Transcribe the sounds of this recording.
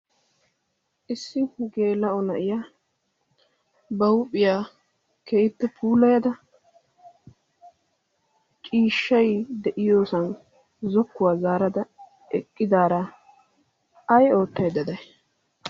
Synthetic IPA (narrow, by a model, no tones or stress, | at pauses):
ʔɪsːɪɡe̞ːlːɐɔnɐʔɪjaː | bɐwʊpʼːɪjaː | kejɪpːɛpʰuːlɐjɐd̪ɐ | kʼiːʃːɐjd̪ɛʔɪjo̞ːsɐn | zɔkːʊwaːzaːɾɐd̪ɐ | ɛkʼːɪd̪aːɾaː | ɐjo̞ːt̪ːɐjd̪ɐd̪ɐj